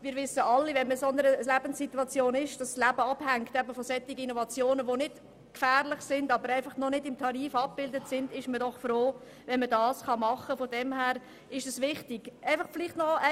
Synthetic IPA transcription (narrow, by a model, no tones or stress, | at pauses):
mɪːɾʋɪsəɑlːivɛnməsɔnəɾəlæb̥ənsːituɑt͡sjoːnɪʃd̥ɑsːlæbəɑb̥hæŋktɛbəfɔsɛt̪ːiɡəinɔvɑt͡sjoːnəʋonɪd | kfæːɾlɪχsɪndɑbəɾæɪfɑχnɔnɪdɪmtʰɑɾiːfɑp̚b̥ɪldətsɪndɪʃmədɔχfɾoː | vɛnmədɑːsχɑmɑχəfɔd̥ɛmhæːɾ | ɪʃd̥ɑsʋɪχtiɡ̥æɪfɑχfɪlɪχtnɔɛ